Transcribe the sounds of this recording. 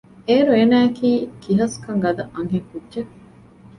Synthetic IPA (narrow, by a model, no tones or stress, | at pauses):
eːɾueːnæːkiːkiɦɐskɐŋɡɐd̪ɐʔɐŋɦeŋkudʒe